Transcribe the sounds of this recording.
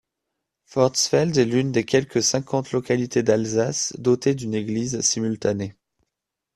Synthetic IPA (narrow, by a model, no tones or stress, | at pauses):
fɔʁd̪sfɛld̪ɛlynd̪ekʲɛlkəsɛ̃kʰɑ̃t̪lɔkalit̪ʰed̪alzasd̪ot̪ed̪yneɡlizsimylt̪ane